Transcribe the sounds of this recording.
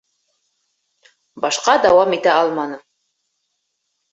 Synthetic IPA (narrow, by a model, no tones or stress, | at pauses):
bɑʃqɑd̪ɑwɑmit̪æɑlˠmɑnɤm